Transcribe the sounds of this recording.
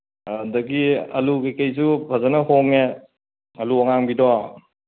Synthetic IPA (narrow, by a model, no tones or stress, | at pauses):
dɐɡiɐ̰lukejkejsubʰʱazanɐhoŋe | ɐluɔŋaŋbidɔ